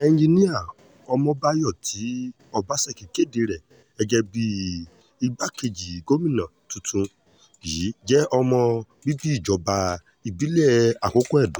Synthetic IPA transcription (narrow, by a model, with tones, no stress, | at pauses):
ɛ˧n̩˦d͡ʒi˧nĩ˦a˦˨ | ɔ˧mɔ̃˧ba˦jɔ˦˨tʰi˨˦ | ɔ˧ba˨˦sɛ˦˨ki˨ke˦˨de˧ɾɛ˨ | ɛ˧d͡ʒɛ˧bi˧˦ | i˦˧ba˦ke˧d͡ʒi˨ɡo˦mĩ˦˨nã˨tu˧tũ˧ | i˨˦d͡ʒɛ˦ʔɔ˧mɔ̃˧ | bi˦bi˦i˦˨d͡ʒɔ˨˦ba˧ | i˨bi˨˦lɛ˦a˨ko˨˦ko˦ɛ˦˨dũ˨˦